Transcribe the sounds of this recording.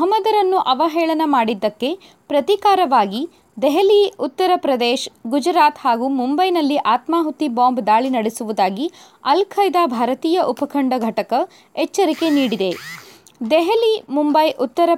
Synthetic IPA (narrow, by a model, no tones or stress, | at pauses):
ɦɐmːɐd̪ɐɾɐnːuʔɐʋɐɦɛːɭɐnɐmaːɽid̪ːɐkːe̞ | pɾɐt̪ikaːɾɐʋaːɡi | d̪ɛɦɐliut̪ːɐɾɐpɾɐd̪eːʃɡud͡ʒɾaːt̪haːɡumumbɐjnɐlːiʔaːt̪maːɦut̪ːiboːmbd̪aːɭinɐɽesuʋud̪aːɡi | ɐlkʰɐjd̪aːbʱaːɾɐt̪iːjɐʔupɐkʰɐɳɖɐɡʱɐʈɐkɐ | ɛt͡ʃːɐɾike̞niːɽid̪e̞ | d̪ɛɦɐlimumbɐjʔut̪ːɐɾɐ